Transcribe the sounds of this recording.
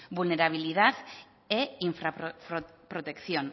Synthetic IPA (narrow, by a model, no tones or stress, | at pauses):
bulne̞ɾaβ̞iliðat̪ | eiɱfɾaɾopɾot̪e̞kθjo̞n